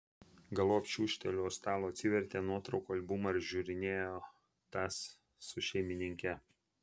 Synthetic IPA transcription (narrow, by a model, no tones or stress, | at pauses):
ɡɐlˠoːpʲt͡ʃʲuːʃʲt̪ʲɛlʲust̪ɑːlˠoːɐt̪ʲsʲɪʋʲɛɾʲt̪ʲeːnuɔt̪ɾɒʊkoːɐlʲbʊmɐɾʒʲuːɾʲɪnʲeːjoː | t̪ɑsː | ʊʃʲɛɪmʲɪnʲɪŋʲkʲɛ